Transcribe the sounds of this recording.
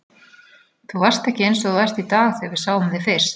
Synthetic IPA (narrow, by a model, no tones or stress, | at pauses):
θuvar̥st̪ɛhcɪejnsɔɣvajst̪it̪aːɣθɛvɪɾ̥saːwʏmðɪfɪr̥s